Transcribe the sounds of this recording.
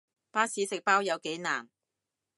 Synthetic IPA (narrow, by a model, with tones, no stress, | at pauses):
paː˥siː˨˥sɪ˨k̚paː˥wjɐ˨˧wke˨˥jna̰ː˨˩n